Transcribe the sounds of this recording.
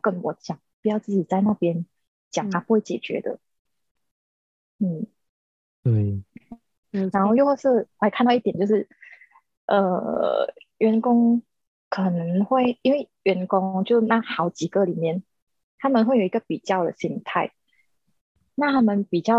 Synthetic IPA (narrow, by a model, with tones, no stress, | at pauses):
kə˦˥nwɔ˧˦t͡ɕjɑ˨˩ŋpi˨˩jɑ˥˧ʊt͡sɹ̩˥˩t͡ɕi˨˩t͡sa˥˧ɪna˥˩pjɛ˦n | t͡ɕjɑ˨˩ŋt̪ʰa˥pu˧xwe˥˩ɪt͡ɕjɛ̰˨˩t͡ɕɥɛ̰˧˦d̪ə̰˨ | n̩˥˩ | n̩˩ | na˧˦nxo˥˧ʊjo˥˧ʊwsə˥˧˩la˧˥ɪkʰa˥˧t̪ɑ˥˧i˥˩jɛ˨˩nt͡ɕjo˥˧ʊʂɻ̩˥˩ | ʔə̰˨˩ | ɥɛ˧˥nkʊ˥ŋ | kʰɤ˨˩nə˧˦ŋxwe˥˩ɪi˥nwe˥˩ɪɥɛ˧˥nkʊ˥ŋt͡ɕjo˥˧ʊʂ̩˥˧na˥˩xɑ˧˥ʊt͡ɕi˨˩ɡə˧˦li˨˩mjɛ˥˩n | t̪ʰa˦˥mə˨nxwe˥˩ɪjo˨˩i˦ɡə˨˩pi˨˩t͡ɕjɑ˥˩ʊd̪ə̰˨ɕi˧˥ŋt̪ʰa˥˩ɪ | na˥˩t̪ʰa˥mə˨npi˨˩t͡ɕjɑ˥˩ʊ